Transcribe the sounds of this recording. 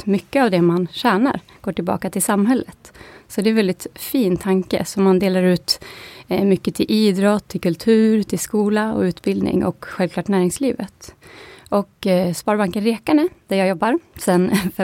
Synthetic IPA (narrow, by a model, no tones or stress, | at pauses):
mʏkːəavd̪ɛmanɕæːɳa̰ɾ | ɡ̥oːʈɪlbɑ̰ːkat̪ʰɪlsamːɦɛlːət̪sɔd̪ɛɛnvɛld̪ɪt̪fiːnt̪ʰaŋkə̰sɔmːand̪eːlaɾʉ̟ːt̪ | mʏkːət̪ʰɪlʔiːd̪ɾɔt̪ʰːɪlkʰɵlt̪ʰʉ̟ːɾt̪ʰɪlskuːlaɔ̰ʉ̟ːt̪bɪld̪nɪ̰ŋʔɔ̰kɧɛlvkʰlɑːʈnæːɾɪŋsliːvət̪ʔɔkspɑːɾbaŋkənɾɛːkaɳəd̪̥æɾjɑːjɔbːaɾsɛnf